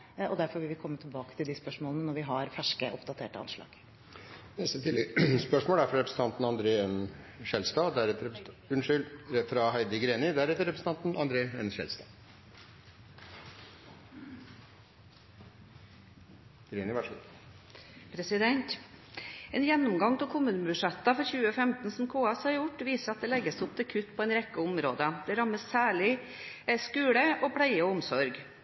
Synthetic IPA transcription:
ɔd̪æɾfɔɾʋɪlʋɪkʰɔmːət̪ʰɪlbɑːkət̪ʰɪld̪ɪspœʂmoːlənənɔɾʋɪɦɑɾfæʂkəʔɔpd̪ɑt̪ʰeːʈəɑ̰nʂlɑ̰ːɡ̥ | nɛst̪ət̪ʰɪːləspœʂmoːld̪æɾfɔɾɑɾɛpɾəsn̩t̪ɑnt̪n̩ɑnd̪ɾeːɛn | ʃɛlst̪ɑːd̪æɾɛt̪əɾʉnʂʏlɛfɾɑɦæɪd̪əɡɾeːnɪd̪æɾɛt̪ːəɾɛpɾsn̩t̪ɑnt̪n̩ɑnd̪ɾeːɛnʂɛ̰lst̪ɑ̰ː | ɡ̥ɾeːnɪʋɑʂ | pʰɾɛsɪd̪ɛnt̪ | eːnjɛnːʊmɡɑŋt̪ʰɪlkʰʊmːʉːnəbʉʂɛt̪ːɑfɔɾçʉːəfɛmt̪n̩sɔmkʰoːɛshɑɾjʊʈːʋiːsəɾɑt̪̚d̪ɛːlɛɡːəsʊp̚t̪ʰɪkʰʉt̪ːpʰɔɛɪnɾɛkːəʊmɾoːd̪əd̪̥ɛɾɑmːəsːæːɭɪ | skʉːɽəʔopʰɽæɪəɔʊmsɔɾɡ

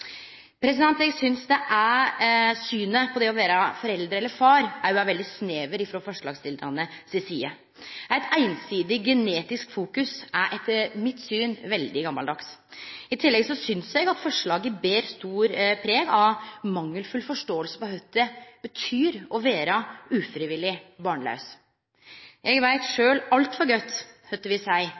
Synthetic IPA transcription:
pʰɾɛsɪd̪ɛnt̪ɛɡsʏnsd̪ɛʔæ | syːnəpʰɔd̪ɛɔʋeːɾɑfɔɾɛld̪ɾəɛlːəɾfɑːɾæɾjʊæɾʋɛld̪ɪsneːʋəɾɪfɾoːfɔʂɭɑːɡst̪ɪlɾɑ̰nəsɪsiːə | æɪt̪ʰæɪnsiːd̪ɪɡɛneːt̪ɪskfuːkʉsæɾʔɛt̪ːəɾmɪt̪ːsyːnʋɛld̪ɪɡɑmːɑld̪ɑksɪt̪ʰɪlːɛɡsɔsʏnsjɛɡɑt̪fɔʂɭɑːɡəbeːɾst̪uːɾpʰɾeːɡɑʋmɑŋːəlfʉlfɔʂʈoːəlsə̥pɔɦœt̪ːəb̥ət̪ʰyːɾɔʋeːɾəʉːfɾɪʋɪlːɪbɑːɳlɑ̰ʉs | jʔɛɡʋæɪt̪ʂøːlɑlt̪fɔɾɡœt̪ːhœt̪ːəʋɪsæɪ

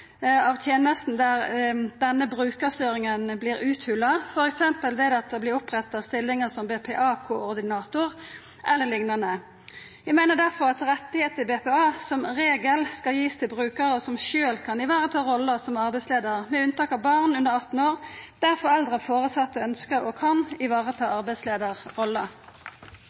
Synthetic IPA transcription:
ɑʋt̪ʰjeːnəst̪n̩d̪æʁd̪ɛnːəbɾʉːkəst̪yːɾɪŋənblɪːɾʁʉːt̪hʉlːɑfɔɾɛksɛmpəlʋɛd̪ɑt̪̚d̪ɛblɪɾʊpʁɛt̪ːɑst̪ɪlːɪŋəsɔmbeːpʰeːʔɑːkʰoːɔɾd̪ɪnɑːt̪ʊʁ | ʔɛlːəlɪŋnɑnə | ʋɪmæɪnəd̪æʁfɔɾɑt̪ɾɛt̪ːɪheːt̪ɪlbeːpeːɑːsɔmʁeːɡəlskɑljiːst̪ʰɪlbʁʉːkəʁəɔsɔmʃøːlkʰɑnɪʋɑːʁət̪ʰɑːɾɔlːəsɔmɑʁbɛɪsleːd̪əʁmɛʉnt̪ɑːkɑʋbɑʁnʉnəʁɑt̪ːn̩oːʁd̪̥æɾfɔɾɛld̪ʁəfoːʁəsɑt̪ːɔœnskəʔɔkʰɑnɪʋɑːʁət̪ʰɑːɑʁbɛɪsleːd̪əʁʁɔlːə

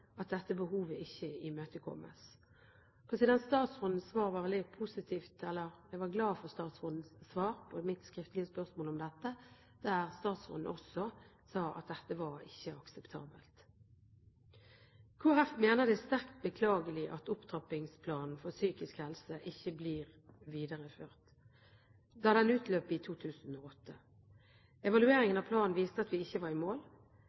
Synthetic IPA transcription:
ɑt̪̚d̪ɛt̪ːəbəhuːʋəɪçəɪmøːt̪əkʰɔ̰mːʔə̰s | pʰɛnsɪd̪ɛnst̪ɑːt̪sʁʊnd̪n̩sʋɑːʁʋɑʋɛlɪpʰʊsɪt̪ʰiːft̪ɛlːəʁɛɡʋɑʁɡlɑːfɔʁst̪ɑːt̪sʁɔnn̩sːʋɑːʁpʰɔmɪt̪skʁɪft̪lɪəspœʁsmoːlɔmd̪ɛt̪ːə | d̪̥æːʁst̪ɑːt̪sʁʊ̰nn̩ʔɔsɔ | sɑːɑ̰t̪̚d̪ɛt̪ːəʋɑʁɪçːəɑksɛpt̪ʰɑ̰ːbəlt̪ | kʰʊʁɛfmeːnəʁd̪ɛst̪æʁkt̪̚bəkʰlɑːɡəlɪʔɑt̪ʊpt̪ʰɑpɪŋspʰlɑːnn̩fɔsyːkɪskhɛlsəʔɪçːəbliːʁ | ʋiːd̪əʁəføːʁt̪ | d̪ɑːd̪ɛnʉːt̪ʰløːpɪt̪ʰuːt̪ʰʉːsn̩oːɔt̪ʰːə | ɛʋɑlʉeːʁɪŋənɑpʰlɑːnn̩ʋiːst̪əɑt̪ʋɪɪçːəʋɑʁɪmoːl

